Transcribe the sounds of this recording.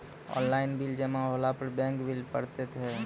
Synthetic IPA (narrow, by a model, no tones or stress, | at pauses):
ɔ̰ːnlaːɪnbild͡ʒəmãɦolapəɾbɛ̃ŋkbilpə̰ɽt̪et̪ʰɛ